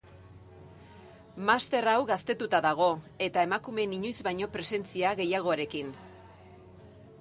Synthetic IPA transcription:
mast̪e̞rawɣast̪e̞t̪ut̪aðaɣ̞o̞ | e̞t̪ae̞makume̞niɲojzbajɲo̞pɾe̞se̞nt͡siaɣe̞jaɣ̞o̞aɾe̞kin

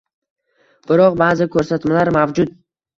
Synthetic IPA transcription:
b̥ɪɾɒqbaːzɪkʰɵɾsat̪malaɾmavd͡ʒʊt̪̚

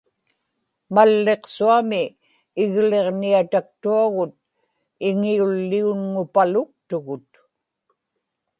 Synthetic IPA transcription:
malːe̞qsuamɪː | ɣle̞ʁniat̪ak̚t̪uaɣʊt̪̚ | ɪŋiulːiunŋʊpalʊk̚t̪ʊɣʊt̪

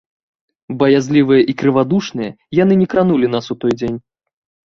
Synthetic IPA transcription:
bɐjazʲlʲivɨjɐʔikɾɨvad̪uʂnɨjɐ | janɨnʲɛkɾanulʲinasut̪ɔjd͡zʲenʲ

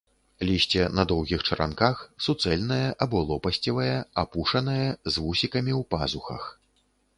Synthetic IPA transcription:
lʲisʲt͡sʲɛnɐd̪ɔwɣʲixt͡ʂɐɾʔa̰nkaxsut̪sɛlʲnɐjɐʔabɔlˠɔpɐsʲt͡sʲɐvɐjɛapuʂɐnɐjɐzvusʲikɐmʲiwpazuxɐ̰x

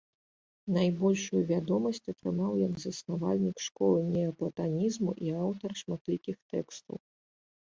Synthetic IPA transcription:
najbɔlʲʂujuvʲad̪ɔmɐsʲt͡sʲɐt̪ɾɨmawjɐɡzɐsnava̰lʲnʲikʂkɔlˠɨnʲɛɐplˠɐt̪anʲizmuʔiawt̪ɐrʂmat̪lʲikʲixt̪ɛkst̪ṵw

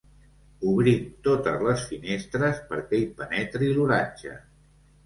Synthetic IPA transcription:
uβɾimt̪ot̪əzləsfinest̪ɾəspəɾkɛipənɛt̪ɾiluɾaɲʲʒə̰

